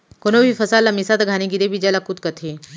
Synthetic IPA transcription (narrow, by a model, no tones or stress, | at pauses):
konobʱifʰɐsaːlɐmisaːt̪aɡʱaːneɡiɾebʱid͡ʒalakut̪̚kɐt̪ʰeː